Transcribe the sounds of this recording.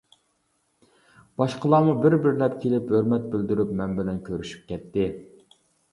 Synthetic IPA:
b̥ɑʃqʰəlˠɑːmubɪɾbɪɾlɛpkʲʰelɪpøɾmɛt̪̚bɪld̪yɾypmɛnbɪlɛnkʲʰøɾyʃy̥p̚kʲʰɛt̪ːɪ

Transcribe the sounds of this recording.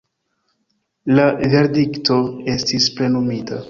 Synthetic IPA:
lave̞ɾdikto̞e̞stisple̞numita

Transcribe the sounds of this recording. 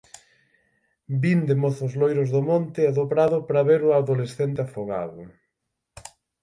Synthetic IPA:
bind̪emoθʊzlojɾʊzðomont̪ɪɛðopɾaðʊpɾaβeɾʊaðolesθent̪ɪafoɣa̰ðʊ̰

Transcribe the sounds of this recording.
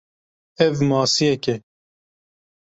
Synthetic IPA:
ɛvmɑːsijɛkɛ

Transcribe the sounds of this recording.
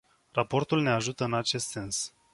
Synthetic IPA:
rapo̞rt̪ulne̞aʒut̪əɨnat͡ʃe̞st̪se̞ns

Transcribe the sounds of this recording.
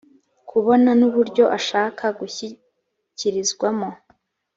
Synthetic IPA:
kʰuβo̞nanuβuɾɟo̞ʔaʃaːkʰaɡuçi | ciɾizɡwamo

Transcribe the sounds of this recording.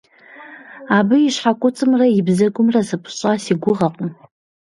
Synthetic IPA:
abɨiʂħakʷʼʊt͡sʼɨmraibzakʷʼʊmrasɨpʰʼʃʷʼasiɡʷʊʁaqʼn

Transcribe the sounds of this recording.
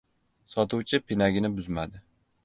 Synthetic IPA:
sɒt̪ʰʊwt͡ʃʰɪpʰɪnaɡʲɪnɪbʊzmad̪ɪ

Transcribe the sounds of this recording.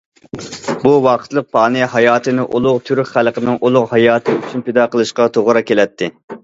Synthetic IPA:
buwɑqʰə̥t̪lˠəq̚pʰɑːnɨhɑjɑːt̪ʰɨnɨʔulˠʊʁt̪ʰyɾkʲχælˠqənɨŋolˠʊʁhɑjɑːt̪ʰɨyt͡ʃʰynped̪ɑqəlˠɨʃqɑt̪ʰoʁɾɑkʲʰelɛt̪ʰːɪ

